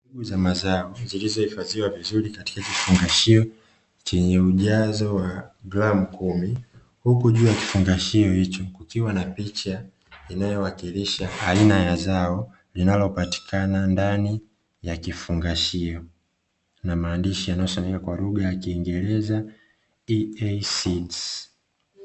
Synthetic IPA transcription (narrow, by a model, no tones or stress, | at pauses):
uɡuzamazaɔzilizɔhifaziwavizulikati̥kakifuŋɡaʃiɔ | t͡ʃɛɲɛuʄazɔwaɡlam̩kumi | hukuʄuːjaki̥fuŋɡaʃiɔhit͡ʃɔkukiwanapit͡ʃa | inajɔwakiliʃaainajazaɔ | linalɔpati̥kʰanandani | jakifuŋɡaʃiɔ | namaːndiʃijanajɔsamɛkakwaluɡajakiːŋɡɛlɛza | iɛsis